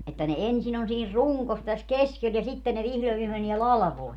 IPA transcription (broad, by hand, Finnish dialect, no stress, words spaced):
etːæ ne ensin on siːn ruŋkos tæs keskel jɑ sitːe ne ʋihlo jɑ ʋiːme menie lɑlɑ̆ʋoi